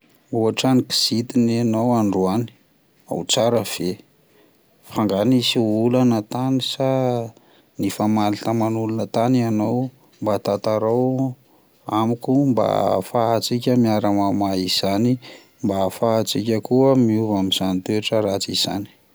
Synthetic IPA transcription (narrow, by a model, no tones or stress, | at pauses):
uaʈ͡ʂaniki̥z̥it̪inanawaɳɖ͡ʐuani̥ | a̰wt͡saɾəv̥e | faŋɡanisiulanət̪anisa | nifamalit̪əmanulunət̪ananaw | mbat̪at̪aɾaw | amikumba̰faɦat͡sikʲəmiaɾamamaiz̥ani | mbafaɦat͡sikʲəkuəmiuvamiz̥anit̪eaʈ͡ʂəɾat͡siz̥a̰ni̥